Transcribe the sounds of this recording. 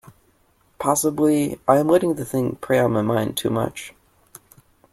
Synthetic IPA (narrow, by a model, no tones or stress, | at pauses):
pʰɑsəbliʔaɪɨ̃mlwɛɾɪ̃ŋðɨθɪ̃ŋpʰɹ̥eɪə̃nmaɪmãɪ̃ntʰʉ̰mʌ̰t͡ʃ